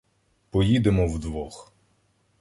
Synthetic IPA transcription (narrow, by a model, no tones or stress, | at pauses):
pɔjid̪emɔwd̪ʋɔx